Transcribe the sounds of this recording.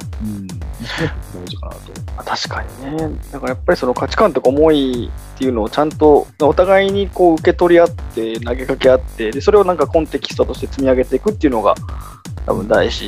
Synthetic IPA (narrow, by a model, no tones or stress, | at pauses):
ɯ̃ | d̪oːʑika̰na̰t̪o̞̰mat̪ʰaɕi̥kaɲ̟ḭne̞d̪akaɾajapːaɾʲiso̞no̞kat͡ɕi̥kãnt̪o̞kaomo̞it̪ːe̞iɯ̟no̞ːt͡ɕãnt̪o̞mao̞t̪aɡaiɲ̟iko̞ːɯ̟ke̞t̪o̞ɾʲiat̪ːe̞naɡe̞kake̞at̪ːe̞d̪e̞so̞ɾe̞o̞nãŋkakõnt̪e̞kʲi̥st̪ot̪o̞ɕi̥t̪e̞t͡sɨmʲiaɡe̞t̪e̞ikɯ̟t̪ːeiɯ̟no̞ɡa̰ | t̪a̰bɯ̟̃nd̪aiɕi